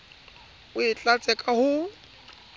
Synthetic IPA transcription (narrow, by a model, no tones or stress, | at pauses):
ʊɪt͡ɬʼat͡sʼɛkʼahʊ